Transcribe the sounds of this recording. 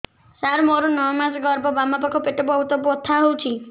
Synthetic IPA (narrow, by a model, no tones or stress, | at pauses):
saɾmoɾɔnɔmasɡɔɾbɔbamapɔkʰɔpeʈɔbɔɦut̪ɔbuɔt̪ʰːaɦowt͡ʃʰi